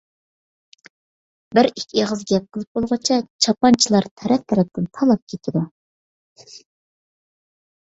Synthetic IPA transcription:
bɪɾikʲʰeʁəzɡʲɛp̚qʰəlˠɨp̚bolˠʁɑt͡ʃʰɛt͡ʃʰɑpɑnt͡ʃʰilˠɑɾt̪ʰɛɾɛft̪ʰɛɾɛp̚t̪ɪnt̪ʰɑlˠɑp̚kʲʰet̪ʰɪd̪u

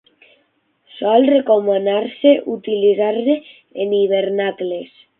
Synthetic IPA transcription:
sɔlrekomonaɾseʔut̪ilizaɾze | eniβ̞eɾnakles

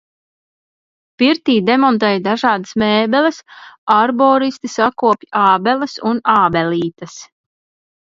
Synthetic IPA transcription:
piɾt̪iːd̪ɛmɔnt̪̬ɛːjd̪aʒɑːd̪asmɛːbɛlɛsaɾbɔːɾist̪isakuɔpʲʔaːbɛləsunaːbɛliːt̪ɐs

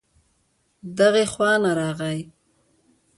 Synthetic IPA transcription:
d̪aɣexwɑnaɾɑɣaj

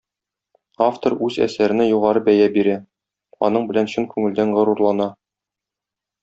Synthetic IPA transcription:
aft̪oɾʉzæ̰sæɾɘ̆nɘjuʁɑɾɤbæjæbiɾæ | ɒ̰nɤɴbɘ̆lænɕɵŋkʉŋɘ̆ld̪æɴʁɤ̆ɾuɾlˠɑnɑ

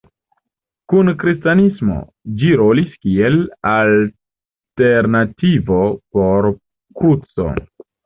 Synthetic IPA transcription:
kunkɾistanismo̰ | d͡ʒiɾo̞liskielal | te̞ɾnativo̞po̞ɾ | kɾut͡so̰

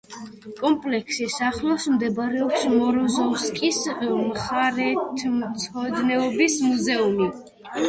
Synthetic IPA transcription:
kʼɔmpʼlɛkʰsisaχlˠɔsmd̪ɛbaɾɛɔpsmɔɾɔzɔskʼismχaɾɛt̪ʰmt̪sʰɔd̪nɛɔbismuzɛumi

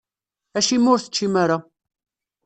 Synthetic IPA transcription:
æʃimːʊɾθə̥t͡ʃːimaɾa

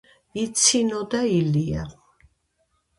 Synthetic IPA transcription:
it̪sʰinɔd̪ailia

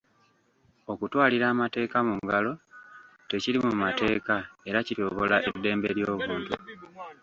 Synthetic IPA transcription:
o̞kutwaːliɾaːmate̞ːkamuŋɡalo̞ | te̞ciɾimumate̞ːkae̞ɾacito̞ːβo̞laʔe̞dːe̞ːmbe̞ɾjo̞ːβuːntu

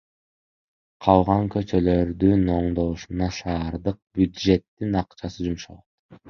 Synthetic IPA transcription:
qʰɑlˠʁɑŋkø̞t͡ʃø̞lø̞ɾd̪yno̞ɴd̪o̞uʃunɑʃɑːɾd̪ɯq̚b̥ʲjud̪ʒe̞t̪ːinɑqt͡ʃɑsɯd͡ʒumʃɑ̰lˠot̪

